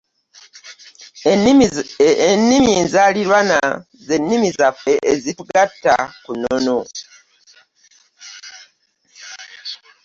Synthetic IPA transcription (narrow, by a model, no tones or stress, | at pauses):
enːimjiːnzaliɾwana | ze̞nːimizafe̞ʔezituɡatːa̰kunono